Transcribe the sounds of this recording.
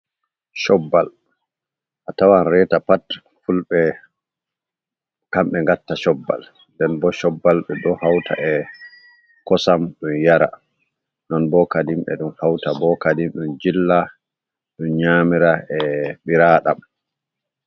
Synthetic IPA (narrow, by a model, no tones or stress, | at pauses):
ʃɔbːal | ʔatawanɾɛtapat | fulɓɛ | kamɓɛŋɡatːaʃɔbːa̰l | ndɛnbɔʃɔbːalɓɛɗɔhawtʰa̰ʔɛ | kɔsamɗumjaɾa̰ | nɔnbɔkadimɓɛ̰ɗumhawtabɔkadimɗumd͡ʒilːa | ɗunɲaːmiɾaʔɛɓiɾaːɗam